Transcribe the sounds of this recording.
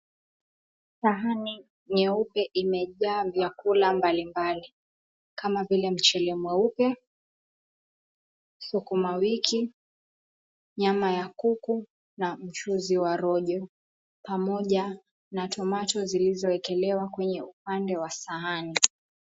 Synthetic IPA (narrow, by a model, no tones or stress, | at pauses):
saɦani | ɲɛupɛʔimɛʄaːvjakulambalimbali | kamavilɛm̩t͡ʃɛlɛmwɛupɛ | sukumawikʰi | ɲamajakuku | nam̩t͡ʃuziwaɾɔʄɔ | pamɔʄa | natʰɔmatɔzilizɔɛkɛlɛwakwɛɲɛup̚andɛwasaɦani